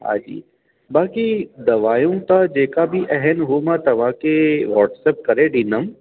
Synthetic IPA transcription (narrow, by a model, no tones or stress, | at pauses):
ɦa̰ːd͡ʒḭː | baːkid̪ɐʋaːjõk̪ad͡ʒeːkabʱiʔɛɦɛnɦoːmat̪ɐʋãːkeʋɔːʈsɛp̚kɐɾeɖinəm